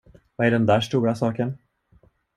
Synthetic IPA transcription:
vɑæɖɛnd̪æːʂʈ̪uːɾasɑːkən

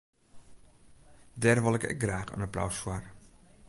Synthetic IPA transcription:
dɛːrʋɔlˠɛkɛ̰k̚ɡraːxə̰naplɔ̰wsfwɔr

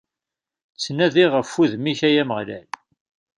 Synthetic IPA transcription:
t͡sːnæðiʁəfːuðmiçæjæməʁlæ̰l

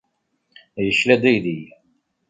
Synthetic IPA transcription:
jəʃlæd̪iði

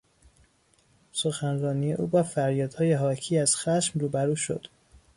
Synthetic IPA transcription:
so̞xænrɒːnije̞ʔṵːbɒːfæɾjɒːd̪̥hɒːjeɦɒːcʰiːæz̥xæʃmruːbæɾuːʃo̞̰d̪̥

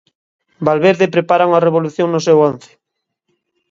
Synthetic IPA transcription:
balβeɾðepɾepaɾaŋareβoluθjoŋnʊsɛwonθɪ̥

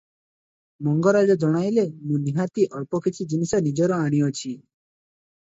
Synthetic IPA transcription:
mɔŋɡɔɾad͡ʒɔd͡ʒɔɽ̃ajlemũniɦat̪iʔɔɭpɔkʰit͡ʃʰid͡ʒinisɔnid͡ʒɔɾɔaɽ̃iɔt͡ʃʰi

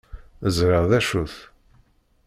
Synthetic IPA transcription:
əzɾəʁðæʃuθ

